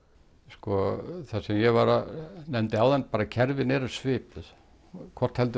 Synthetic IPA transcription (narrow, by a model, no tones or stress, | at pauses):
skɔθasɛmjɛvaɾanɛmt̪ɪawðɛnpaːɾacʰɛɾvɪnɛɾḁsvɪːpɪð | kʰvɔr̥t̪hɛlt̪